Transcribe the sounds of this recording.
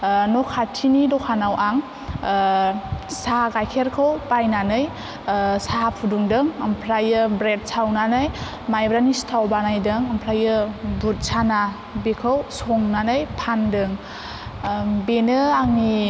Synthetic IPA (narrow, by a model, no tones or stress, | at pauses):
nɔkʰatʰinidɔkʰanawʔaŋ | saɡajkʰeɾkʰɯwpajnanɯj | sapʰuduŋdɯŋampʰɾajɯbɾet̚sawnanɯj | majbɾanistʰawbanajdɯŋampʰɾajɯbut̚sana | bekʰɯwsɔŋnanɯjpʰandɯŋ | benɯaŋi